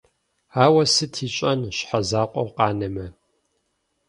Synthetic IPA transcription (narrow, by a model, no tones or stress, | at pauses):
aːwɐsɨtʰiːt͡ʃʼɐnɕħazaːqʷʼɔwqɑːnɐmɐ